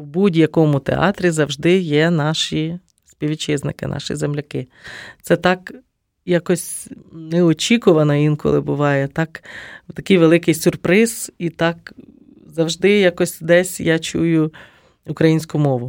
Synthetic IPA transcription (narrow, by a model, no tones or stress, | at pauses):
wbudʲjɐkɔmʊt̪ḛɑ̰t̪ɾʲizɐwʒd̪ɪjɛnɑʃi | spʲiʋʲit͡ʃɪznɪkɪ̰n̰ʃḭzemlʲɐkɪ | t̪sɛt̪ɑk | jɑkɔsʲnɛɔt͡ʃʲikʊʋɐnɐinkɔ̰lˠɪbʊʋɑjɛt̪ɑkt̪ɐkɪjʋelˠɪkɪjsʲʊrpɾɪz̥it̪ɑk | zɐwʒd̪ɪjakɔsʲd̪ɛsʲjɑt͡ʃujʊ | ʊkɾɐjinʲsʲkʊmɔʋʊ